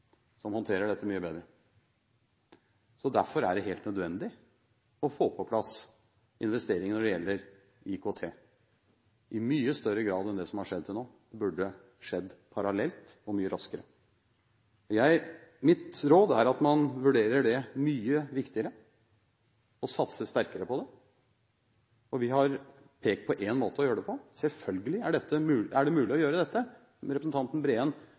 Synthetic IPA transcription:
sɔmhɔnt̪ʰeːɾəɖɛt̪ːəmyːəbeːd̪ɾə | sɔd̪æɾfɔɾæɖɛɦeːlt̪nœd̪ʋɛnd̪ɪ | ɔfoːpʰɔpʰlɑs | ɪnʋɛst̪eːɾɪŋnɔɖɛjɛlːəɾ | ɪkʰoːt̪ʰeː | ʔɪmyːəst̪œɾːəɡɾɑːd̪ɛnd̪ɛsɔmhɑʂɛd̪ːt̪ʰɪlnoː | bʉɖːə | ʂɛd̪ːpʰɑɾɑlɛlt̪ɔmyːəɾɑskəɾə | ɔjæɪmɪt̪ɾoːd̪æɾɑt̪mɑnʋʉɖeːɾəɖɛmyːəʋɪkt̪ɪəɾə | ɔsɑt̪səst̪æɾkəɾəpɔd̪ɛ | ɔʋɪɦɑɾ | pʰeːk̚t̪pʰɔʔeːnmoːt̪əɔjøːəɖɛpʰɔsɛlfœlɡəlɪæɖɛt̪ʰːəmʉːlæɖɛmʉːlɪɔjøːɾəd̪ɛt̪ːə | ɾɛpɾəsn̩t̪ʰɑnt̪n̩bɾeːən

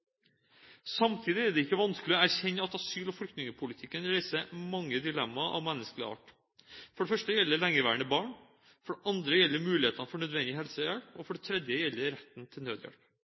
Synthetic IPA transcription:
sɑmt̪ʰiːd̪ɪæɖɛɪkːəʋɑnskəlɪoæɾçɛɲːəɑt̪ɑsyːlɔfɽʏkt̪nɪŋəpʰʊlɪt̪ʰɪkːənɾæɪsəmɑŋːəd̪ɪlɛmːɑʔɑ̰ʋmɛnːəskəlɪ̰ɑ̰ːʈ | fɔɖɛfœʂʈəjɛlːəɭɛŋːəʋæːəɳəbɑːɳ | fɔɖɛʔɑnd̪ɾəjɛlːəɾmʉːlɪeːt̪ʰɑnəfɔɳœd̪ʋɛnd̪ɪɦɛlsəjɛlpɔfɔɖɛt̪ʰɾɛd̪jəjɛlːəɾɛt̪ːn̩t̪ʰɪlnøːd̪jæ̰ɽp

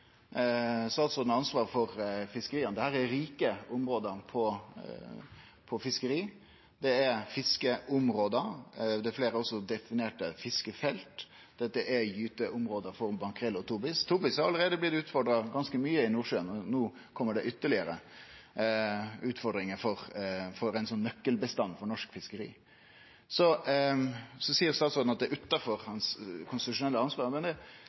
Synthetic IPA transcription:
sɔɑlt̪sɔnɑnsʋɑːɾfɔɾfɪskəɾiːənd̪ɛhæːɾæɾiːkəʊmɾoːd̪əɾpʰɔ | pʰɔfɪskəɾiː | d̪ɛæɾfɪskəʔʊmɾoːd̪əd̪ɛfleːɾəɔsːɔd̪ɛfɪneːʈəfɪskəfɛlt̪ | d̪̥ɛt̪ːəʔɛjyːt̪əʔʊmɾoːd̪əfɔɾbɑŋkʰʁɛlːɔt̪ʰuːbɪst̪ʰuːbɪshɑɾɑlːəɾeːd̪əblɪt̪ʉːt̪fɔɾɖɾɑɡɑnskəmyːəɪnuːɾʂøːənɔnuː | kʰɔmːəɖɛʔʏt̪ːəɭɪəɾə | ʉːt̪fɔɾd̪ɾɪŋəfɔɾfɔɾæɪnsɔnːœkːəlbəst̪ɑnːfɔɾɳɔʂkfɪskəɾḭː | sɔ | sɔsiːəɾst̪ɑːt̪sɔn̩ɑt̪̚d̪ɛʔʉt̪ːɑfɔɾhɑnskʰʊnst̪ɪt̪ʉʂʊnɛlːəɑnsʋɑːɾmɛnd̪ɛ

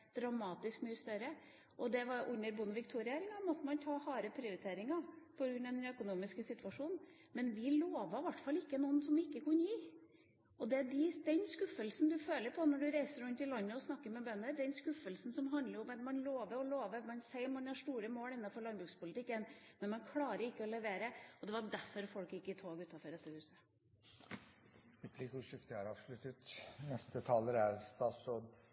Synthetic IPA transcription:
d̪̥ɾɑmɑːt̪ɪskmyːəst̪œɾə | ʔɔd̪ɛʋɑɾʔʉnːəɾbʊnəʋɪkt̪ʰuːɾɪeːɾɪŋɑmɔt̪ːəmɑnt̪ʰɑːhɑːɾəpʰɾɪʊɾɪt̪ʰeːɾɪŋɑpʰɔɡɾʉnːɑd̪ɛnœkʊnuːmɪskəsɪt̪ʉɑʂuːnn | mɛnʋɪloːʋɑʋæʈːfɑlɪkːənɔnsɔmɪkːəkʰʉnːəjiː | ɔd̪ɛæɖɪd̪ɛnskʉfːəlsn̩d̪ʉføːləɾpʰɔnɔɖʉɾæɪsəɾʉnt̪ɪlɑnːəɔsnɑkːəɾmɛbœnːəɾd̪ɛnskʉfːəlsn̩sɔmɦɑnd̪ləɾʊmɛt̪mɑnloːʋəɾɔloːʋəɾmɛɑnsɛɪɾmɑnhɑʂtuːɾəmoːlɪnːɑfɔɭɑnbɾʉːkspʊlət̪ɪkːənmɛnmɑnkʰlɑːɾəɪkːəɔlɛʋeːɾəɔd̪ɛʋɑɖæɾfɔɾfɔlkjɪkːɪt̪ʰoːɡʉːt̪ɑfɔɾdɛt̪ːəhʉːsə | ɾʉpʰliːkəʊʂɪft̪ɪhɑɾɑːʋʂlʉt̪ət̪nɛst̪ət̪ʰɑːləɾæɾst̪ɑːt̪sɾoːd̪

